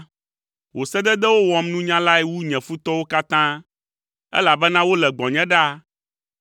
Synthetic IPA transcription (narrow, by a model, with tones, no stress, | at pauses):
wo˨sɛ˦d̪ɛ˦d̪ɛ˦wo˦wɔ˨mnũ˦ɲã˦la˦ɛ˨wu˦ɲɛ̃˨fu˦t̪ɔ˦wo˦ka˦t̪ã˦ | ɛ̰˦la˨bɛ˦nã˦wo˦lɛ˨ɡ͡bɔ̃˨ɲɛ̃˦ɖa˦